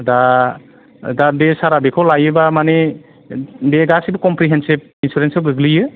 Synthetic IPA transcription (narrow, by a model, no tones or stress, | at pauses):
da | dadesaɾabikʰɔwlajɯbamane | deɡasibɯkɔmpɾiɦensib̚insuɾensiɡɯɡlijɯ